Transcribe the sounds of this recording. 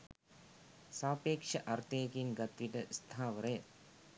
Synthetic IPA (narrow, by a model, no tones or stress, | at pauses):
saːpeːkʂɐʔɐɾt̪eːkinɡɐt̪ːʋiʈɐst̪ʰaːʋɐɾeː